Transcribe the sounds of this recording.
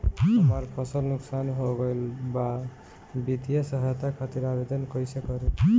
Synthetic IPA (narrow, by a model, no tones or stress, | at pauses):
ɦʌmʌɾpʰʌsəlnuksanɦoɡʌjlba | bit̪ijʌsʌɦajt̪akʰat̪iɾabed̪ʌnkʌjsekʌɾi